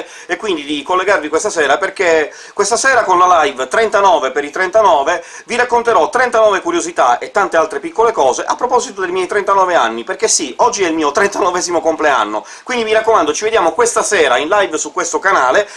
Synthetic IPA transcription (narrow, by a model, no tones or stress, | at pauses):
ekːwind̪id̪ikolːeɡarvikwest̪asɛːɾaperke | kwest̪asɛːɾakonlalajvt̪ɾent̪anɔːvepeɾit̪ɾent̪anɔːve | viɾakːont̪eɾɔt̪ːɾent̪anɔːvekuɾjozit̪aet̪ːant̪ealt̪ɾepikːolekɔːzeʔapːɾopɔzit̪od̪ejmjɛjt̪ɾent̪anɔːveanːiperkesiɔd͡ʒːiɛilmiːot̪ɾent̪anovɛːzimokomplea̰nːo̰ | kwind̪imiɾakːomand̪ot͡ʃived̪jaːmokwest̪asɛːɾainlajvsukːwest̪okanaːle